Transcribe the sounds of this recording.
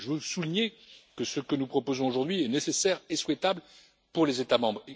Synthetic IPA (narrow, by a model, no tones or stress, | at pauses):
ʒəvøsuliɲekəsəkənupχɔpozɔ̃oʒuʁd̪ɥiɛnesesɛʁeswɛt̪abl | puʁlezet̪amɑ̃bʁ